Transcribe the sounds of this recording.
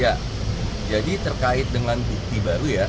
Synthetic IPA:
a | d͡ʒadit̪ərkaɪt̪̚dəŋanbuk̚t̪ibaɾuja

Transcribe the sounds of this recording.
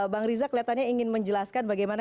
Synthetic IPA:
baŋɾizakəliat̪anɲaiŋɪnməɲd͡ʒəlaskanbaɡajmana

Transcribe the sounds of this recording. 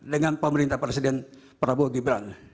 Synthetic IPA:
dəŋanpəməɾint̪ahpɾesidɛnpəɾabuaɡibɾaŋ

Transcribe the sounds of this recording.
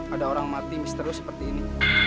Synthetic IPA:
adaoɾaŋmat̪imist̪əɾʊsə̥pərt̪iːni

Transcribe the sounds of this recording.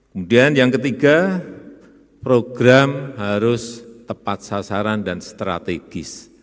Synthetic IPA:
kəmudianjaŋkət̪iɡa | pɾoɡɾamɦaɾʊst̪əpat̪̚sasaɾandanst̪ɾa̰t̪eɡ̥ɪs

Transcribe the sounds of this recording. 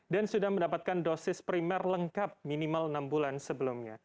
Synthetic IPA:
dansudahməndapat̪̚kandosɪspɾimɛrləŋkap̚minimalnambulansəbəlumɲa

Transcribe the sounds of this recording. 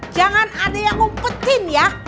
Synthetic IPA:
d͡ʒaŋanadajaŋʊŋpət̪ɪnja

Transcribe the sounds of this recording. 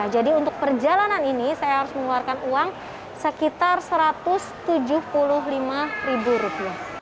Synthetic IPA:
ad͡ʒadiunt̪ʊk̚pərd͡ʒalananinisajaɦaɾʊsməŋluarkanuaŋ | səkit̪arsəɾat̪ʊst̪ud͡ʒʊhpulʊɦlimaribuɾupia

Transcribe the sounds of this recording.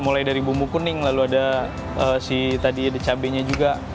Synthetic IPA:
mulajdaɾibumukunɪŋlaluada | əːsit̪adiadat͡ʃabɛɲad͡ʒuɡa

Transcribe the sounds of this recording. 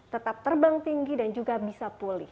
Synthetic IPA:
t̪ət̪ap̚t̪ərbaŋt̪iŋɡidand͡ʒuɡabisapulɪh

